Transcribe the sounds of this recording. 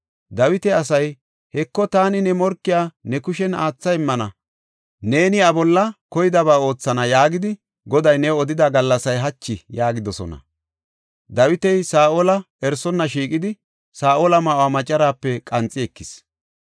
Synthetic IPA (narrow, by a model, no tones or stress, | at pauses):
d̪ɐwɪt̪ɛɐs̬ɐj | hɛkːɔt̪aːnɪnɛmɔɾkːɪjaːnɛkʊʃɛnaːt͡sːɐɪmːɐnɐ | ne̞ːnɪɐbɔlːɐkɔjɪd̪ɐβaːo̞ːt͡sːɐnɐjaːɡɪd̪ɪ | ɡɔd̪ɐjnɛɔd̪ɪd̪aɡɐlːɐsɐjɦɐt͡ʃːɪjaːɡɪd̪ɔsɔ̰nɐ̰ | d̪ɐwɪt̪ɛjsaːʔolɐ | ɛɾsɔnːɐʃiːkʼɪd̪ɪ | saːʔoːlɐmaːwaːmɐt͡ʃʼːɐɾaːpːɛkʼɐnt͡sʼːɪɛkːɪs